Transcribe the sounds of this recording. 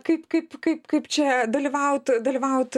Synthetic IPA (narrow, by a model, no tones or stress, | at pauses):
kɐɪpkɐɪpkɐɪpkɐɪpt͡ʃʲɛd̪ɐlʲiʋɐʊt̪d̪ɐlʲiːʋɐʊt̪